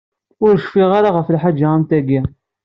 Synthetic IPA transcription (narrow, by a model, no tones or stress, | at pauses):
ʊɾʃfiʁaɾaʁəflħad͡ʒːaʁəmt̪æɡi